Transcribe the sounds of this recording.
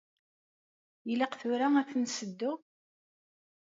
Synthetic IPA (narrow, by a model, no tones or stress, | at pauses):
jəlɑqθʊɾææθnsəd̪ːʊ